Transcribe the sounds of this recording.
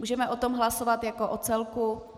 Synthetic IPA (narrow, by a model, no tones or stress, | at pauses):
uːʒɛmɛʔot̪omɦlasovat̪jakoʔot͡sɛlku